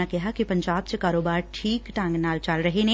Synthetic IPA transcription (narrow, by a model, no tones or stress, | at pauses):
akɛɦakipɐ̃ɲd͡ʒaːbsekaːɾoːbaːɾʈʰiːkʈãːŋɡnaːlt͡ʃaːlɾɐɦeɦẽ